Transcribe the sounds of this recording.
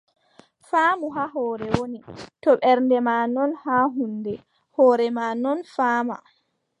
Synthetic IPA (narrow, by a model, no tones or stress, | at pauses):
faːmuɦaːɦɔːɾɛwonitɔɓɛɾndɛmaːnɔnhaːɦunːdɛ | hɔːɾɛmanɔnfaːma̰